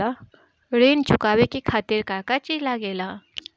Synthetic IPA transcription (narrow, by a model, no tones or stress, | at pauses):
a | ɾeːnt͡ʃʊkaːwekikʰaːt̪ɪɾkaːkat͡ʃilaɡeːlaː